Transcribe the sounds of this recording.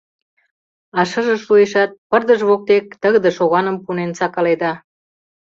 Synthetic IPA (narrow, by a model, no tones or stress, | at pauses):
ɑʃə̆ʒə̆ʃueʃɑt̪̚pərd̪əʒβok̚t̪ek̚t̪əɣd̪ə̆ʃoɣɑnə̆mpunensɑkɑled̪ɑ